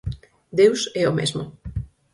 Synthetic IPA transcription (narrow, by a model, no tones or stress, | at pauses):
d̪ewsɛomḛzmʊ̰